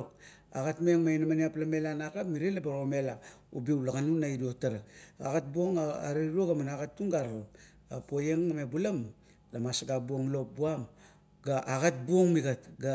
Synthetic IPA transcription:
k | a̰ɡatmeŋmainamaniaplame̞lanakapmiɾenlabaɾome̞laubiwlaɡanunaidiotaɾaaɡat̚buoŋa̰ɾeɾoɡamanaɡatːuŋɡaɾaɾo | apojeŋamebulam | lamasaɡabuoŋlo̞p̚buam | ɡaʔaɡat̚buoŋmiɡatɡa

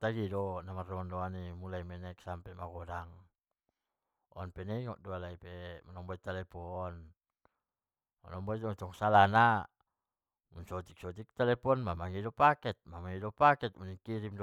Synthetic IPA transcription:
t̪aɡidɔnamardɔandɔanimulaimɛnɛksampɛmaɡɔdaŋ | ɔnpɛnɛiŋɔ̰ʔdualaipɛmanɔŋbɔit̪ːalɛpɔn | ma̰nɔmbɔit̪t̪ɔŋsalana | munsɔt̪ik̚sɔt̪̬ik̚t̪ɛlɛpɔnmamaŋidɔpakɛt̪̚mamaŋidɔpakɛt̪̚muniŋkiɾimd

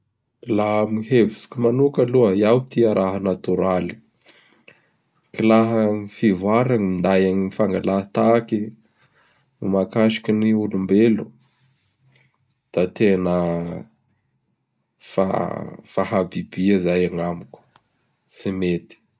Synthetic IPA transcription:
lamihevisi̥kʲumanukaluəiawt̪iaɾʔaɦənat̪uɾali̥ | kilaɦəŋifivaɾaŋimind̪ajaŋiifaŋɡalat̪aki | numakaʃi̥kiniulumbelu | d̪̥at̪enə | fa̰faɦabibiazajaŋamuk | simet̪i̥

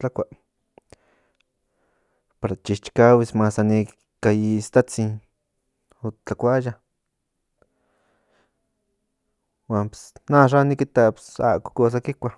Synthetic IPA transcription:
t͡ɬakʷa | paɾat͡ʃiʃt͡ʃkawismasani | kajist̪at͡sin | ot͡ɬakʷaja | wʷampsnaʂ̬anikit̪apsa̰kʷḁkos̬akikʷa

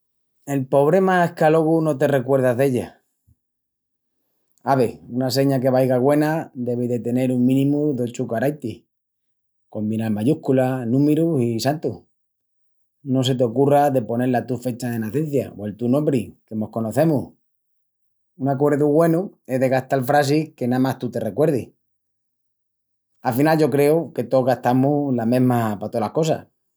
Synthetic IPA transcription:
e̞lpo̞β̞ɾe̞maehkalo̞ɣ̞uno̞t̪e̞re̞kwe̞ɾð̞azðe̞ʎa | aβe̞unase̞ɲak̬e̞βajɣaɣwe̞nad̪e̞βiðe̞t̪e̞ne̞ɾuŋmĩnĩmuðo̞t͡ʃukaɾajt̪i | ko̞mbinalmaʝuhkulanũmeɾusisant̪u | no̞s̬e̞t̪̬eo̞kuraðe̞po̞ne̞ɾlat̪ufe̞t͡ʃaðe̞naθe̞n̟θja̰oe̞lt̪uno̞mbɾike̞mo̞hko̞no̞θe̞muh | unakwe̞ɾðuɣwe̞nue̞ɦðe̞ɣaht̪alfɾas̬ike̞namaht̪ut̪e̞re̞kwe̞ɾði | afinalʝo̞kɾe̞uke̞t̪oɣaht̪amulamẽ̞ɦmapat̪o̞lahkos̬a̰h

